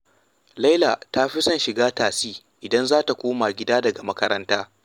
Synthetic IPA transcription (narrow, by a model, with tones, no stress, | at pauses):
lɐ˦jla˨ta˦ɸi˦sɐ˦nʃɪ˨ɡaː˦taː˨siː˦ | ʔɪ˨dɐ˦nzaː˦ta˨kʷoː˦maː˨ɡʲɪ˦daː˦dɐ˨ɡa˨mɐ˦kɐ˦ɾɐ˦ntaː˦